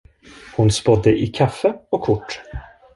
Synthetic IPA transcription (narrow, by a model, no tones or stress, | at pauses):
hʊnspɔd̪ːəʔɪkʰafːəɔkʰːʊʈː